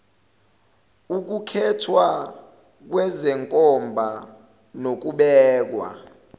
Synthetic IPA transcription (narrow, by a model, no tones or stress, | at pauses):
uk̬ukʰɛtʰwa | k̬wɛzɛŋkʼɔmbʱa | nok̬uɓɛːk̬wa̰